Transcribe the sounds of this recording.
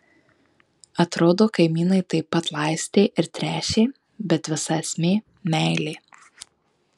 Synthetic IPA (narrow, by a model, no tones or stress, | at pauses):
ɐt̪ɾoːd̪oːkɐɪmʲiːnɐɪt̪ɐɪpːɐt̪lˠɑˑɪsʲt̪ʲeːʔɪɾt̪ʲɾʲæːʃʲeː | bʲɛt̪ʋʲɪsɐsʲmʲeː | mʲæɪlʲeː